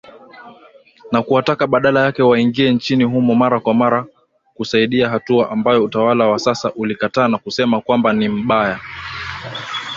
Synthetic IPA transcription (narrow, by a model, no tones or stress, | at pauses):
nakuatakaɓaɗalajakɛwaiŋɡiɛnt͡ʃiniɦumɔmaɾakwamaɾa | kusaiɗiaɦatuaʔambajɔutawalawasasaʔulikataːnakusɛmakwambanim̩ɓaja